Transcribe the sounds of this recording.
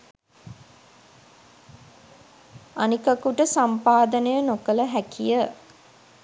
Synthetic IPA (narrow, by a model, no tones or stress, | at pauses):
anikakuʈəsampaːd̪ənəjənokələɦækʰijə